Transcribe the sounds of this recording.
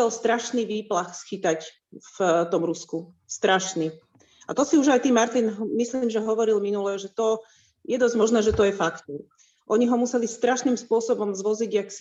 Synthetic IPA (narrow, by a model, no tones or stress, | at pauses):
ɛlst̪ɾaʃniʋiːplaxsxit̪ac | ft̪ɔmɾusku | st̪ɾaʃni | at̪ɔsiuʒajt̪iːmaɾt̪inɦmisliːmʒɛɦɔʋɔɾilminulɛʒɛt̪ɔ | jɛd̪ɔzmɔʒnɛːʒɛt̪ɔjɛfakt̪u | ʔɔɲiɦɔmusɛlist̪ɾaʃniːmspʊɔsɔbɔmzʋɔziɟjaks